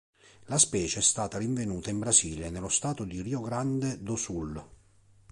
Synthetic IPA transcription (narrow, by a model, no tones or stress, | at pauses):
laspɛːt͡ʃeɛst̪aːt̪aɾiɱvenuːt̪aimbɾaziːlenelost̪aːt̪od̪iriːoɡɾand̪ed̪osul